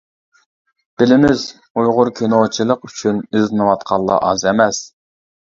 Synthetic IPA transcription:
b̥ɪlɪmɪz | ujʁʊɾkʲʰenot͡ʃʰilˠəqyt͡ʃʰynizɨnɨwɑt̪qʰɑlˠːɑ̰ʔɑ̰zɛmɛs

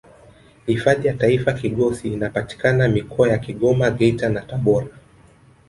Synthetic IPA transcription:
hifaðijataifakiɠɔsiːnapati̥kanamikʰɔajakiɠɔmaɠɛitanataɓɔɾa

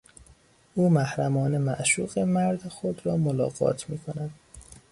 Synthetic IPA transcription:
ʔuːmæhɾæmɒːnemæʔʃuːɢemæɾd̪exod̪ɾɒːmolɒ̰ːɣɒ̰ːt̪ʰmiːkʰonæd̪̥

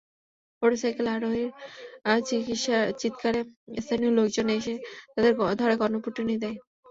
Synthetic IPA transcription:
poɖsajkelaɾoɦeɾat͡ɕikitʃat͡ɕit̪kaɾest̪ʰaniolokd͡ʑoneeʃet̪ad̪eɾd̪ʱɔɾeɡɔɾnopuʈːinid̪ɛe

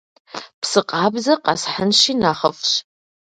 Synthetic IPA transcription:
pʰsɨqʼabzaqʼa̰sħənʃinaχəfʃ

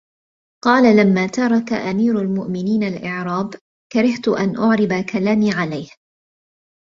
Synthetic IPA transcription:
qɑːlalamːaːt̪ɑɾˤɑka̰ʔamiːɾʊlmʊʔmɪniːnalʔɪʕɾˤɑːb | kaɾɪht̪ʊʔanʔʊʕɾɪbakʰalaːmiːʕalajh

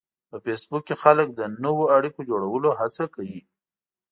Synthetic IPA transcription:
pəfesbukːexalək̚d̪ənəwoaɽikod͡ʒoɽawəloɦat͡sakawi

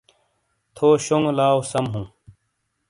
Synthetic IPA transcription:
t̪ʰoːɕoŋɡlaːwsɐmɦũː

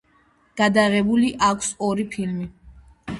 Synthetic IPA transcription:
ɡ̥ad̪aʁɛbuliʔakʷʰsɔɾipʰilmi

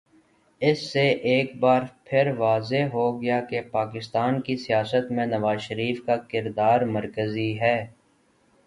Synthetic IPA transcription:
ɪsːeʔeːkbaːɾpʰɪɾʋaːzeɦoɡɐjakepaːkɪst̪aːnkisijaːsət̪mẽnɐʋaːzʃəɾiːfkakɪɾd̪aːɾmɐɾkəziɦɛː

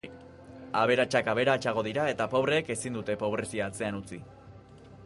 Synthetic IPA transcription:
aβe̞ɾat͡ʃakaβ̞e̞ɾat͡ʃaɣ̞o̞ðiɾae̞t̪apo̞βɾe̞ːke̞sind̪ut̪e̞po̞β̞ɾe̞siaːt͡se̞anut͡si

